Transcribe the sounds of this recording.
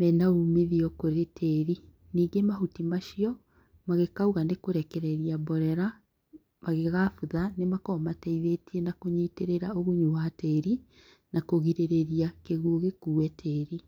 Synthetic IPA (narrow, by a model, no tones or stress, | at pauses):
mɛnaumeðiɔkoɾetʰɛɾi | niːɡemaɦutimaʃiɔ | maɣekauɣanekoɾɛkɛɾɛɾiabɔɾɛɾa | maɣeɣafuðanemakɔmatɛiðetienakoɲeːteɾeɾaoɣoɲuhatɛɾi | nakoɣiɾeɾeɾiakeɣuoɣekuːɛtʰɛːɾi